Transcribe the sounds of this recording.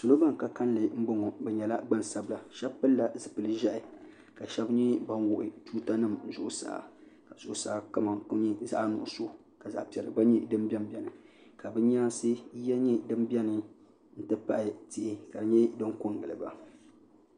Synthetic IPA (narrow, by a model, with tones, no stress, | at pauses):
sʊ˨lo˦ba˦ŋ˨ka˨ka˦n˦lɨ˨m̩˦bʊ˦ŋɔ˨bɛ˨ɲɛ˨la˦ɡ͡ba˦˨n˨sa˦bɨ˦la˨ʃɛ˦bpɨ˦lːa˨zɨ˨pɨ˨˦lɨ˦ʒɛ˦ʔɪ˨ | ka˨ʃɛ˦bɲi˦ba˦n˦wʊ˨ʔɪ˨tuː˦ta˦nɨ˨m˨zʊ˦ʔʊ˦sa̰˨a̰˨ka˨z̥ʊ˨ʔʊ˦sa˨˦ka˦ma˨˦ɲi˦za˦ʔnʊ̰˨ʔso˦˨ | ka˨za̰˨ʔpi˨ɛ˨lɨ̰˨ba˦ɲi˦dɨ˦m˦bʲɛ˦m˦bɛ˨nɨ˨ | ka˨bɨ˦ɲ˦aː˦sɨ˦jɛ˦ɲɛ˦dɨ˦m˦bɛ˦nɨ˨ | n̩˦tɨ˦pa˦ʔɪ˨ti˦ʔɪ˦ka˨dɨ˨ɲɛ˦dɨ˦ŋkʊ˦ŋ˨ɡɨ˨lɨ˨ba̰˨